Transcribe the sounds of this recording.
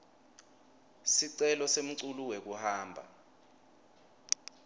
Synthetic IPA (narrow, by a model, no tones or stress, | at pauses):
siǀɛlɔsem̩ǀuluwek̬uhaːmbʱa̰